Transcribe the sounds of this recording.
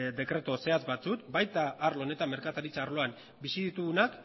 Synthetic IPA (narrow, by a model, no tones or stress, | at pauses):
d̪e̞kɾe̞t̪o̞se̞azbat͡sukbajt̪aːɾlo̞ne̞t̪ame̞ɾkat̪aɾit͡saːɾlo̞am | bisiðit̪uɣunak